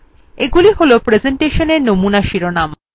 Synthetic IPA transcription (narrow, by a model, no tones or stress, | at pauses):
eɡuliɦolopɾed͡ʑeɳʈeʃoneɾnomunaʃiɾonam